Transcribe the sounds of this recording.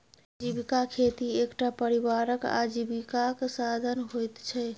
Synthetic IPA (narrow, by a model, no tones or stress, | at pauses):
d͡ʒibikakʰet̪iekʈapəɾibaɾəka̰d͡ʒibikakesad̪ʱənɦojt̪t͡ʃʰɛ